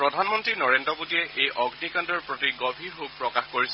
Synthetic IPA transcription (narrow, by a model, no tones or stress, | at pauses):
pɹɔdʱanmɔntɹinɔɹendɹɔbotiɛʔejʔɔɡnikandɔɹpɹɔtiɡɔbʱiɹɦok̚pɹɔkaxkoɹis